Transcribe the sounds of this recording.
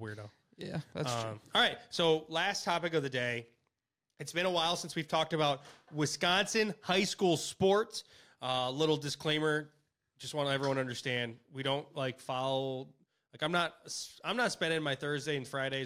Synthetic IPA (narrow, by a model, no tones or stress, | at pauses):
wɪɹɾoʊ | jæ̰ðæʌɑlˠɹaɪt̚soʊlæstʰɑpɨk̬ʌvðɨdeɪ | ɨtsb̥ɨ̃ɾəwaɪlˠsɪ̃nswiv̥tʰɔk̚tɨbaʊt̚wɪskɑ̃nsɨ̃nhaɪskulˠspɔɹts | ʌlɪɾl̩ˠdɨskʰl̥ẽɪ̃mə̥˞ | d͡ʒʌst̚wɑ̃ñəɛvɹiwʌ̃nʌ̃ndə˞stæ̃ndwiɾõʊ̃ntlaɪkfɑlˠo | laɪkãɪ̃mnət̚sãɪ̃mnətspɛ̃ndɪ̃ŋmaɪθɜ˞zdeɪɨ̃nfɹaɪɾeɪ